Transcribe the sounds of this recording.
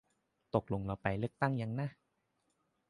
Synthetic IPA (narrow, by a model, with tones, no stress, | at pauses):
t̪o˨˩k̚lo˧ŋla˧wpa˧jlɯ˥˩ək̚t̪a˥˩ŋja˧ŋna˦˥